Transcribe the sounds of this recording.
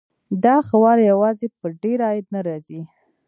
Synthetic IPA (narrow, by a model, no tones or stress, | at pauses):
d̪ɑxawɑɾjawɑzepəɖeɾɑjɪd̪̚naɾɑzi